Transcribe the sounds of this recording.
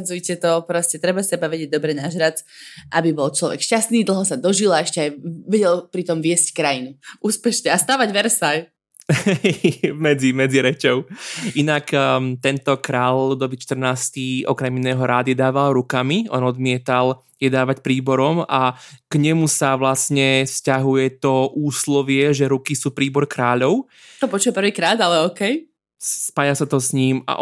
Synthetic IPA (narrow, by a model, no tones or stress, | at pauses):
d͡zujcɛt̪ɔpɾɔscɛt̪ɾɛbasɛbaʋɛɟɛɟ̚d̪ɔbɾɛnaʒɾat͡s̪ʔabibɔlt͡ʃlɔʋɛ̰kʃcast̪niːd̪l̩ˠɦɔsad̪ɔʒilaɛʃcɛajʋɛɟɛlpɾit̪ɔmʋɪɛsckɾajinuʔuːspɛʃɲɛast̪aːʋaɟʋɛɾsaj | ɛmɛd͡zimɛd͡ziɾɛt͡ʃɔʊinakt̪ɛnt̪ɔkɾaːllud̪ɔbit͡ʃt̪r̩naːst̪iɔ̰kɾɛminɛːɦɔɾaːd̪ɪjɛd̪aːʋalɾukamiʔɔ̰nɔd̪mɪɛt̪al | jɛd̪aːʋacpɾiːbɔɾɔmakɲɛmusaʋlasɲɛfscaɦujɛt̪ɔʔuːslɔʋɪɛʒɛɾukisuːpɾiːbɔɾkɾaːʎɔʊ | t̪ɔpɔt͡ʃuʋɛpr̩ʋiːkɾaːd̪alɛɔːkɛj | spaːjasat̪ɔsɲiːma̰ʔ